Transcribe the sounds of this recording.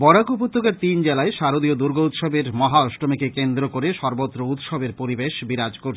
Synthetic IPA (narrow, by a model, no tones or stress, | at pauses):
bɔɾakupot̪ːokeɾt̪ind͡ʑelaeʃaɾod̪iod̪uɾɡʱout̪ʃɔbeɾmɔɦaɔʃʈomikekend̪ɾokoɾeʃɔɾbot̪ːɾout̪ʃɔbeɾpoɾibeʃbiɾad͡ʑkoɾt͡ɕʰ